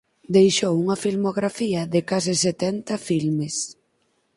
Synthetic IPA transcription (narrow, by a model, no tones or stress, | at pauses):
d̪ejʃowuŋɐfilmoɣɾafiɐðɪkasɪset̪ɛnt̪ɐfilmes